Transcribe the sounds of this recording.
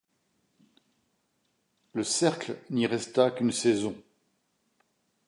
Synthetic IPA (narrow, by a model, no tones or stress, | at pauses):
ləsɛʁklniʁɛst̪akʲynsɛzɔ̃